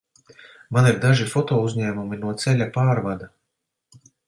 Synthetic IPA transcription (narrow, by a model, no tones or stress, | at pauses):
maniɾd̪aʒifɔt̪oːuzʲɲæːmuminuɔt̪sɛlʲapaːɾvad̪a